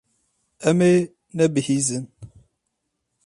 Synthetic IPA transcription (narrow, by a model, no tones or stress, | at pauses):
ɛme | nəbihizin